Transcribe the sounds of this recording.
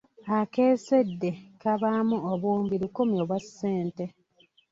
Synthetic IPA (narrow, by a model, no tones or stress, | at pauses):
ake̞ːsedːe̞kaβamuoβuːmbiɾukomjoβwasːeːnte